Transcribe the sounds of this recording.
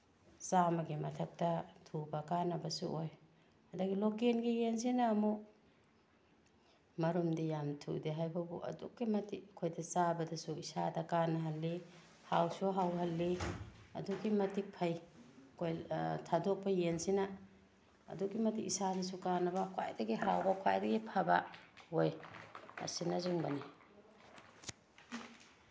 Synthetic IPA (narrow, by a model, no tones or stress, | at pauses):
samɐɡimɐtʰɐp̚tɐtʰubakanɐbɐsṵʔoj | hɐdaɡilokenɡijens̬inaːmu | mɐɾumdijamtʰṵdiɦajbɐbṵʔɐ̰dṵk̚ɡimɐtʰikʰojdɐsabɐdɐsuisadɐkanɐɦɐlːi | hawsuɦawɦɐlːiɐ̰dukːimɐtʰik̚pʰɐjkojtʰadok̚bɐjensina̰ː | dukimɐtikisadɐs̬ukanɐbakʰa̰jdɐɡiɦawbakʰa̰jdɐɡipʰabaojɐ̰sinɐzuŋbɐni